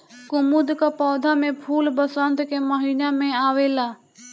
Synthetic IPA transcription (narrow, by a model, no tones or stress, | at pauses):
kʊmud̪kapɔːd̪ʱamẽpʰuːlbəsə̃nd̪keːməɦiːnamẽaːʋeːlaː